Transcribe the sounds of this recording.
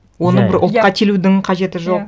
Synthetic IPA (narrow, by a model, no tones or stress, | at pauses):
wo̞nəɴbɪɾʔʊlˠqɑt̪ʲʰelud̪ɪŋqʰɑʒe̞t̪ɪʒo̞q